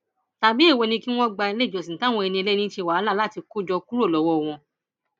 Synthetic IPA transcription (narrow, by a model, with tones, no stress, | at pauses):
ta˨bi˦e˦˨wo˧nĩ˧ki˦w̃ɔ̃˦ɡ͡ba˧e˧le˦˨d͡ʒo˨sĩ˨ta˦w̃ɔ̃˧ɛ˧nĩ˧e˧le˦nĩ˦ʃe˧˨wa˨˦la˦˨la˦˨ti˧ku˦d͡ʒɔ˧ku˦ɾo˦˨lɔ˨˦wɔ˦˨w̃ɔ̃˧